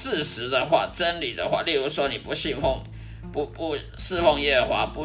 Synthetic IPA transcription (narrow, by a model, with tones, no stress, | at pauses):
sɹ̩˥˨ʂɻ̩˧˦d̪ə˨xwa̰˥˨t͡sə˦˥nli˨˩d̪ə̰˦xwa̰˥˧lɛ˥˩ɻu˧˥swɔ˥ni˨˩pu˧˦˥ɕi˥˧nfɔ˥˨ŋ | pu˧pu˧˦s̩˥˧fɔ˥˧ŋjɛ˥˩˨xwa̰˨˧˥pu˧˦